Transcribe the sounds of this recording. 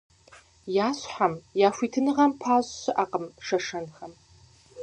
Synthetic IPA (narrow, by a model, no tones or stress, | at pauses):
jaːɕħamjaːfʷiːtʰɨnɨʁɐmpʰaːzɕɨʔaqəmʂɐʂɐnχɐm